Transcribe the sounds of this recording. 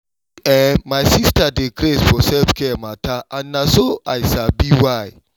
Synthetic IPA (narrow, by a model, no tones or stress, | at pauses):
ɛmasistadekɾesfɔsɛlfkɛmatʰaãnnasoajsabiwaj